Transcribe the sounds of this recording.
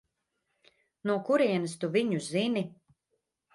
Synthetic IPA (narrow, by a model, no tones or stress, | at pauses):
nuɔkuɾiɛnəst̪uviɲuzini